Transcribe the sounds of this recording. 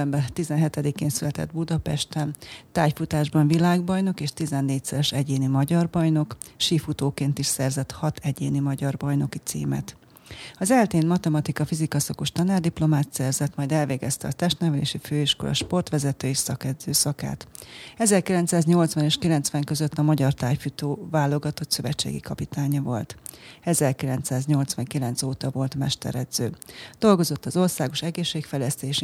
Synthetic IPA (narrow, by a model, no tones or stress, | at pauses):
ɛmbɛt̪izɛnɦɛt̪ɛd̪ikeːnsylɛt̪ɛ̰d̪bud̪ɒpɛʃt̪ɛnt̪aːjfut̪aːʒbɒɱvilaːɡbɒjno̞keːʃt̪izɛnːeːc̚sɛɾɛʃɛɟeːnimɒɟɒrbɒjno̞kʃiːfut̪oːkeːnt̪iʃsɛrzɛt̪hɒt̪ʰɛɟeːnimɒɟɒrbɒjno̞kit̪sḭːmɛ̰t̪ | ɒzɛlt̪eːnmɒt̪ɛmɒt̪ikɒfizikɒsɒkuʃt̪ɒnaːrd̪iplo̞maːt̪sɛrzɛt̪mɒjd̪ɛlveːɡɛst̪ɛɒt̪ɛʃt̪nɛvɛlḛːʃiføːiʃkolʔɒ̰ʃpo̞rt̪ʋɛzɛt̪øːisɒkɛd̪zøːsɒka̰ːt̪ɛzɛrkilɛnt̪saːzɲo̞lt̪svɒneːʃkilɛnt̪sʋɛŋkø̞zøt̪ːɒmɒɟɒrt̪aːjfut̪oːvaːlːo̞ɡɒt̪o̞t̪sø̞vɛt͡ʃːḛːɡḭkɒpit̪ʰaːɲɒvo̞lt̪ɛzɛrkilɛnt̪saːzɲo̞lt̪sʋɒŋkilɛnt̪soːt̪ɒvo̞lt̪mɛʃt̪ɛ̰ɾɛd̪z̥øːd̪̥o̞lɡo̞zo̞t̪ːɒzo̞rsaːɡo̞ʃɛɡeːʃːeːkfɛjlɛst̪eːʃi